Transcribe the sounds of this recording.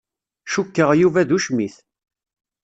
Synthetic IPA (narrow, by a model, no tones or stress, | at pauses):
ʃukːəʁjuvæðuʃmiθ